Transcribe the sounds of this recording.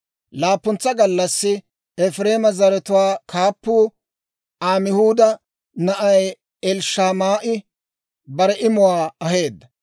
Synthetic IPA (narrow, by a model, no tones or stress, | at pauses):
laːpːʊnt͡sːɐɡɐlːɐsːɪ | ɛfɾe̞ːmɐzɐɾɛt̪ʊwaːkʰaːpːuː | aːmɪhuːd̪ɐ | nɐʔɐj | ɛlʃaːmaːʔɪ | bɐɾɛʔɪmʊwaːɐɦe̞ːd̪ːɐ